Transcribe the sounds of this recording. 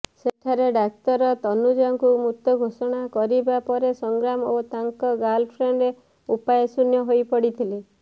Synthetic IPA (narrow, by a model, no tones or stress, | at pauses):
seʈʰaɾeɖak̚t̪ɔɾɔt̪ɔnud͡ʒɔɔŋkumut̪ɔɡʱosɔɽ̃akɔɾibapɔɾesɔŋɡɾamot̪aŋkɔɡalpʰɾeɳɖɾe | upajesunjɔɦojpɔɽit̪ʰile